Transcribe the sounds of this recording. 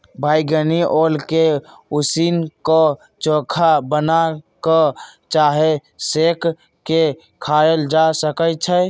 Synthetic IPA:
bʱajɡəniʔolke | usinkɔ | t͡ʃokʰabənakət͡ʃaɦesek | ke | kʰaeld͡ʒasəkət͡ʃʰə

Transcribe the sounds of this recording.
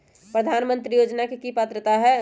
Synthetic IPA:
pɾəd̪ʱaːnmə̃nt̪ɾijoːd͡ʒnakekipat̪ɾət̪aɦɛ

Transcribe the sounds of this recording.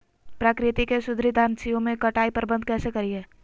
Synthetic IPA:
pɾaːkɾɪt̪ikeʃʊd̪ʱɾid̪ʱaːnsijõmẽkɐʈaːipɐɾbə̃nd̪̚ʱkɛːsekɐɾiɦɛː

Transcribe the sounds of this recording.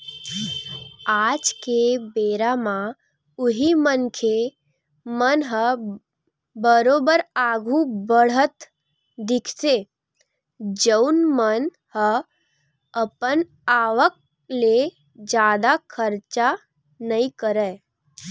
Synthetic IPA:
ad͡ʒkebeɾamã | ʊɦimənkʰe | mənɦə | bəɾoːbəɾaɡʱũbəɽ̤ət̪ | d̪ɪkʰse | d͡ʒəunmən | hə | əpən | aːʋək̚ | le | d͡ʒjaːd̪akʰəɾt͡ʃa | nəikəɾə

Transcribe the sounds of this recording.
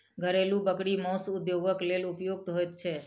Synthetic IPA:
ɡʱəɾelũbəkɽimɔ̃sʊd̪joɡəklelʊpjoɡ̚t̪ɦojt̪t͡ʃʰe

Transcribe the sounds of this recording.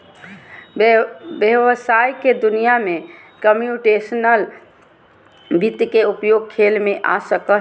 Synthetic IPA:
bjeʋsajked̪unijame | kəmjuʈesənəl | bʱit̪keupjoɡ̚kʰelmeʔa̰səkə

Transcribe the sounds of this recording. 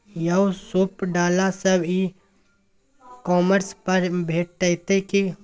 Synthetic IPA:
jəʊsupɖaːlasəbi | kɔːməɾspəɾbʱeːʈ̚ːəɪt̪eki

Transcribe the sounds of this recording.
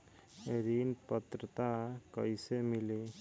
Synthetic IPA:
eɾinpət̪ɾət̪akɔjsemili

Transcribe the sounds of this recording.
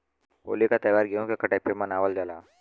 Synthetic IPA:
o̰ːlikat̪əjʋaːɾɡiõkekəʈepemənaʋəld͡ʒala̰ː

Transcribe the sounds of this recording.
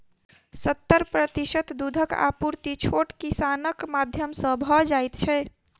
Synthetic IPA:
sət̪ːəɾpɾət̪isət̪d̪ud̪ʱəka̰puɾt̪it͡ʃʰoʈkisanəkmad̪ʱjəmsə̃bʱɔd͡ʒajt̪t͡ʃʰɛ

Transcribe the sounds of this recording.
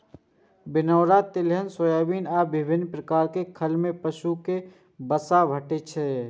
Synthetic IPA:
bɪnəwɾat̪ɪlɦənsoːjaːbiːnaːbɪbʱɪnːpɾəkaːɾkekʰəlmẽpəʃuke | bəsabʱəʈet͡ʃʰɛ

